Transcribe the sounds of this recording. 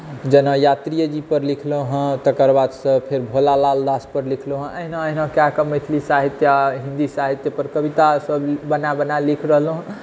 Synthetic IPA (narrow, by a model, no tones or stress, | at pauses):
d͡ʒənəjat̪ɾijəd͡ʒipəɾlikʰloɦə̃t̪əkəɾbad̪sə̃pʰeɾbʱolalald̪aspəɾlikʰloɦə̃ʔəɦinãəɦinãkakəmət̪ʰlisaɦit̪jaɦĩnd̪isaɦit̪jəpəɾkəbit̪asəbbənabənalikʰɾəɦəlɦ